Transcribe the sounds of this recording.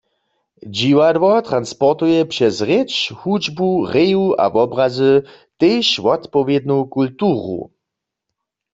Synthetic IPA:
d͡ʒiwad̪wɔt̪ʁanspɔʁt̪ujɛpʃɛzʁɪt͡ʃhud͡ʒbuʁejua̰vɔbʁazə | t̪ejʃʋɔt̪pɔvjed̪nukultuːʁṵ

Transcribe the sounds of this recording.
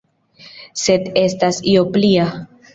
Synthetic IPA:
se̞d̪e̞stasioplia

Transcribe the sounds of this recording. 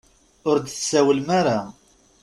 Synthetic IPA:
ʊɾd̪θsæwəlmaɾa

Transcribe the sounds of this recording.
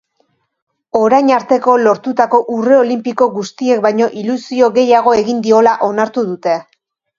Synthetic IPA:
o̞ɾajɲaɾt̪e̞ko̞lo̞ɾt̪ut̪ako̞ʔure̞o̞limpiko̞ɣust̪ie̞k̚bajɲo̞ʔilusio̞ɣe̞jaɣ̞o̞e̞ɣind̪io̞laʔo̞naɾt̪uðut̪e̞

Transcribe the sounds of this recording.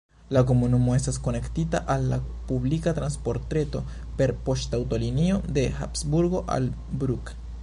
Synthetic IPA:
lak̬omunumoest̪askonekt̪it̪aʔalːa | puβlikat̪ɾanspoɾt̪ɾet̪o | peɾpoʃt̪awt̪oliniod̪exa̰psbuɾɣoʔa̰l | bɾuk

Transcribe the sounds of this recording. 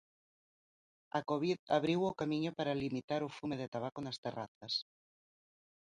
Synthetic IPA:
akoβiðaβɾiwokamiɲʊpaɾalimit̪aɾʊfumeðet̪aβ̞akʊnast̪era̰θɐs

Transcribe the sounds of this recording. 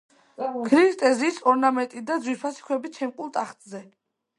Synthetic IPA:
kʰɾist̪ʼɛziːsɔɾnamɛnt̪ʼid̪ad̪zwispʰasi̥kʰwɛbit͡ʃʰɛmkʼulˠt̪ʼaχt̪ʼzɛ

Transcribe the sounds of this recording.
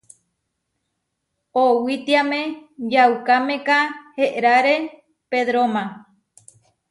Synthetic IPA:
owit̪iamẽjawkamẽkaheʔɾaɾe | peðɾomã

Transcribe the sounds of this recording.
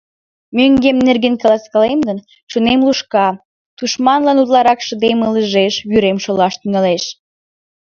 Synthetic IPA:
myŋɡemnerɡenkəlɑskɑlemd̪ən | ʃunemluʃkɑ | t̪uʃmɑnlɑnut̪lɑɾɑkʃə̆d̪emələʒeʃβyɾemʃolɑʃt̪yŋɑleʃ

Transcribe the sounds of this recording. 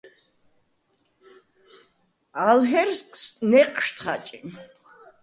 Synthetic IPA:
alɦɛɾskʼsnɛqʼʃt̪ʰχa̰t͡ʃʼi

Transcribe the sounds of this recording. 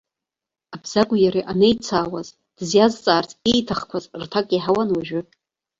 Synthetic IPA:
abz̥aɡʷʼjaɾiʔanejt͡sʰaːwaz | d̥zjazt͡sʼaːrtʰʼejtʰaχkʷʰazrtʰakʼiħawanwaʒᶣʏ

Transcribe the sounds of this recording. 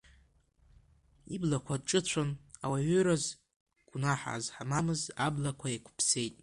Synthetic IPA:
iblakʷʰadʈ͡ʂʼɨt͡ɕʷʰanawaɥʏɾaz | ɡ̥ʷnaħa̰ːzħamamɨzablakʷʰajakʷʰʊpʰse̞jtʼ

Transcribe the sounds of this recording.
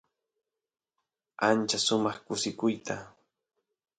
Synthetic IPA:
ant͡ʃasʊmɑχkʊsɪkʊjt̪a

